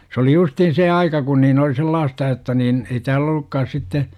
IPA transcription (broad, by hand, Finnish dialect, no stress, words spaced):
s oli justiːn seː ɑikɑ kun niːn oli selːɑːstɑ jotːɑ niːn ei tæːl olˑukːɑːs sitːe